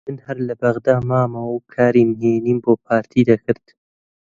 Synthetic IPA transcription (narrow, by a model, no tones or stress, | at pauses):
mɨnhɐɾlɨbɐɣd̪aːmaːmɐwkʰaːɾiːmɦeːniːnboːpʰaːɾt̪ʰiːd̪akʰɨɾd̪